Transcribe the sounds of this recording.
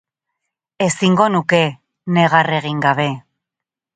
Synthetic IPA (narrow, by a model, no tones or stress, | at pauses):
e̞siŋɡo̞nuke̞ | ne̞ɣare̞ɣ̞iŋɡaβe̞